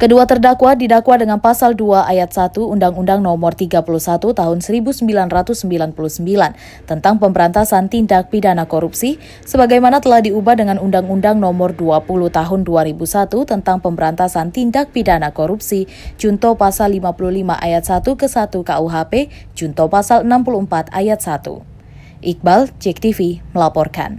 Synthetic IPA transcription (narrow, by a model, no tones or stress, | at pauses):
kəduat̪ərdakwadidakwadəŋanpasalduaʔajat̪̚sat̪uːndaŋundaŋnɔmɔrt̪iɡapulusat̪ut̪aɦʊnsəɾibusəmbilanrat̪usːəmbilanpulusəmbilan | t̪ənt̪aŋpəmbəɾant̪asant̪indak̚pidanakoɾupsi | səbaɡajmanat̪əlahdiubahdəŋanundaŋundaŋnɔmɔrduapuluht̪aɦʊnduaɾibusat̪ut̪ənt̪aŋpəmbəɾant̪asant̪indak̚pidanakoɾupsi | d͡ʒunt̪ɔpasalːimapuluhlimaʔajat̪̚sat̪ukəsat̪ukauɦape | d͡ʒunt̪ɔpasalənampuluəmpat̪a̰jat̪̚sat̪ṵ | ʔik̚balt͡ʃɛk̚t̪ifiməlapɔrka̰n